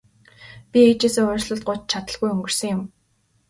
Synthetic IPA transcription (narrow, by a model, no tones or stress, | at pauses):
pʲieːt͡ɕeːsɘ̆ŋʊːrɮə̆ɮt̪̚ɢʊt͡ɕt͡ɕʰat̪ə̆ɮɣujɵŋɡɵ̆r̥sɵ̆ŋjʊm